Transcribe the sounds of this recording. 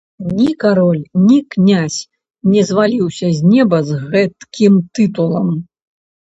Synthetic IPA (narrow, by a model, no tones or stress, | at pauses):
nʲikaɾɔlʲnʲiknʲasʲ | nʲɛzvalʲiwsʲɐzʲnʲɛbɐzɣɛt̪kʲʰimt̪ɨt̪ulˠɐm